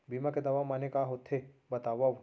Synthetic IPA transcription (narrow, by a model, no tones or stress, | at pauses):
biːmaked̪ɐʋamanekaɦoːt̪ʰːebɐt̪aːʋaʋ